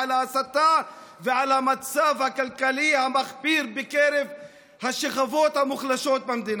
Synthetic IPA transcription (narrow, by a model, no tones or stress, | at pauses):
laasat̪aveʕalhamat͡savhakalkalihamaχbiɾbekeɾev | haʃeχavo̞t̪hamuχlaʃo̞t̪̚bamd̪in